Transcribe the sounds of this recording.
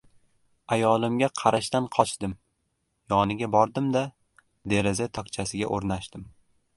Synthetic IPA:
ajɒlˠɪmɡʲaqʰɑɾaʃt̪anqʰɒt͡ʃʰd̪ɪm | jɒnɪɡʲabɒɾd̪ɪmd̪a | d̪e̞ɾɪzat̪ʰɒkt͡ʃʰasɪɡʲa̰ʔoɾnaʃd̪ɪm

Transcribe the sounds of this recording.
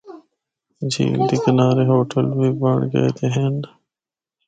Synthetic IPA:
d͡ʑḭːld̪iːkənaːɾeɦoːʈəlbʱibəɳɡɐ̰j̰t̪eɦẽn

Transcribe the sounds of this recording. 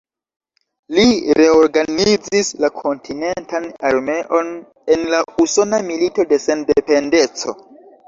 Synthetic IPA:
liɾe̞o̞ɾɡanid͡zislakʰo̞ntʰine̞ntanaɾme̞ʔo̞n | e̞nlauso̞namilito̞de̞se̞ndepe̞nde̞t͡so̞̰

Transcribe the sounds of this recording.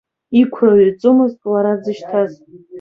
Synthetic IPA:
ikʷʰraɥirt͡sʼʊmɨztʼlaɾad͡zɨʃtʰaz

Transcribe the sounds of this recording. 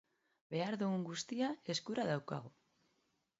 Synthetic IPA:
be̞aɾðuɣuŋɡust̪iae̞skuɾaðawka̰ɣ̞o

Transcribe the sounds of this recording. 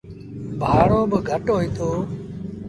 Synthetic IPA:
bʱaːɽoːbəɡʱəʈoːɦĩːt̪ʰoː

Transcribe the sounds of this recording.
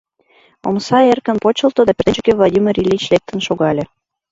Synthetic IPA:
o̰msɑerkə̆npot͡ɕəlˠt̪od̪ɑpʲert̪et͡ɕukevlˠod̪ʲimʲirʲilʲit͡ɕlek̚t̪ə̆nʃoɣɑlʲe

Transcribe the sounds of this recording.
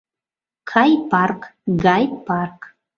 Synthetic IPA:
kʰajpʰarkɡajpark

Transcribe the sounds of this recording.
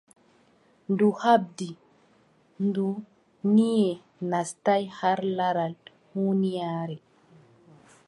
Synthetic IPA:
nduhab̚di | ndu | nijɛ | nastajhaɾlaɾal | hunijaːɾɛ

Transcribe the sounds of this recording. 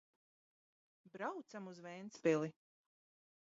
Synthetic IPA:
bɾawt̪samuzvɛjnt̪spili

